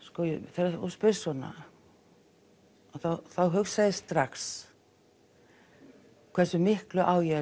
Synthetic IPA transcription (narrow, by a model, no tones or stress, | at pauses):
skɔjʏθɛɾauspɪɾsɔna̰ | aθawθawɦʏfsajðɪst̪ɾaks | kʰv̥ɛɾsʏmɪhklʏʔaːwjɛ